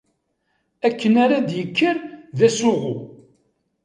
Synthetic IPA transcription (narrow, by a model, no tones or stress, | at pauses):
ækːənaɾad̪jəkʰːəɾðæsʊʁu